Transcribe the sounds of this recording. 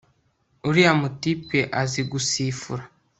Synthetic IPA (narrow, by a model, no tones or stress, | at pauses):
uɾiamutipeʔaziɡusifuɾa